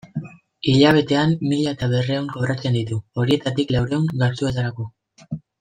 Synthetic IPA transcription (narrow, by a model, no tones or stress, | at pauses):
iʎaβ̞e̞t̪e̞amːiʎaet̪aβe̞reuŋko̞βɾat͡se̞nd̪it̪uo̞ɾie̞t̪at̪iklawɾe̞uŋɡasue̞t̪aɾako̞